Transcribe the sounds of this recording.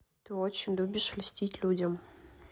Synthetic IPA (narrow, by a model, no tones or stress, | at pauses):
t̪ɨot͡ɕɪnʲlʲubʲɪʂlʲɪsʲtʲitʲlʲudʲɐm